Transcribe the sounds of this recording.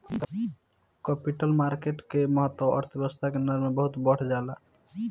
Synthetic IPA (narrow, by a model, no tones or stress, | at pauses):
kəpiʈəlmaɾkeʈkeməɦət̪ːwəə̰ɾt̪ʰebəst̪ʰakenəɾmebəɦut̪bəɽ̤d͡ʒala